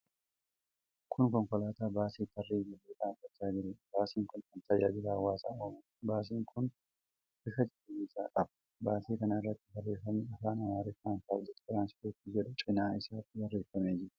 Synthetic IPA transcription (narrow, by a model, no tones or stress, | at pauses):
kʰʊnkɔŋkɔlaːt̪aːbaːsiːt̪ːɐrːiːd͡ʒɐlːeːᶑaːɐkːɐt̪ːaːd͡ʒɪɾeːbaːsiːŋkʊnkɐnt̪ɐja̰ːd͡ʒɪlaːwːaːsaːoːmɐ | baːs̬iːŋkʰʊn | ɪfɐd͡ʒɛᶑɐiːsa̰ːkʼɐbɐ̥ | baːsiːkɐnɐɪrːɐt̪ːɪ̥bɐrːeːfɐmeɐfaːnɐwaːɾɛfaːntːaːbd͡ʒɛt̪ɪɾaːnsɪ̥t̪oːt̪ːɪd͡ʒɛᶑʊt͡ʃʼɪnaːɪsaːt̪ːɪwɐrːeːfːɐmeːd͡ʒɪɾ